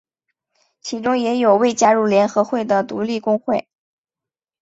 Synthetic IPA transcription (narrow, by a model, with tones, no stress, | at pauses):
t͡ɕʰi˧˥ʈ͡ʂʊ˥ŋjɛ˧˥jo˨˩ʊwe˥˩ɪt͡ɕja˥ɻu˥˩ljɛ˧˥nxɤ˧˥xwe˥˩ɪd̪ə˩t̪u˧˥li˥˩kʊ˥ŋxwe˥˩ɪ